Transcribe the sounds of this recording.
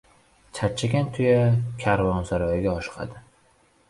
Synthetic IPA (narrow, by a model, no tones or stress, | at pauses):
t͡ʃʰat͡ʃʰːaɡʲant̪ʰʊjakʲʰaɾvɒnsaɾɒjɪɡʲaɒʃqʰɑ̰d̪ɪ